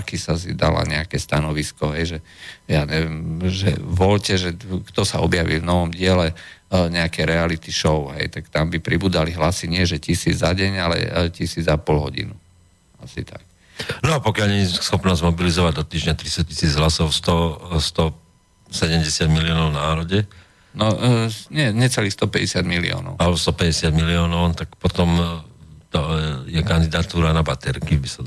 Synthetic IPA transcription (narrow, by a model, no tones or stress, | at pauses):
kisas̬id̪a̰la̰ɲɛakɛst̪anɔʋiskɔɦɛjʒɛjaːɲɛʋɛmʒɛ̰ʋɔlcɛʒɛkt̪ɔsaɔbjaʋḭlvnɔʋɔmɟɪɛlɛɲɛakɛjɾɛalit̪iʃɔʊɦɛ̰jt̪akt̪ambipɾibuːdaliɦlasiɲɪɛʒɛcisiːd͡zzaɟɛɲalɛ̰cisiːd͡zapɔlɦɔ̰ɟḭnu | asḭt̪a̰k̚ | nɔapɔkɪaʎɲɛɲsxɔpnɔzmɔbilizɔʋaɟd̪ɔt̪iːʒɲat̪ɾist̪ɔci̥siːd͡zɦlasɔʊst̪ɔst̪ɔ | sɛɟɛmɟɛsɪad̪miliɔːnɔʊnaːɾɔɟɛ | nɔɲɛɲɛt͡sɛliːxst̪ɔpɛɟɛsɪad̪milḭɔ̰ːnɔ̰ʊalbɔst̪ɔpɛɟɛsɪad̪miliɔːnɔnt̪akpɔt̪ɔm | t̪ɔjɛkand̪id̪at̪uːɾanabat̪ɛɾkibisa